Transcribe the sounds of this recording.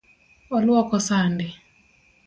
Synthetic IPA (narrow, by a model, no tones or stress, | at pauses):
ɔlwɔkɔsandɪ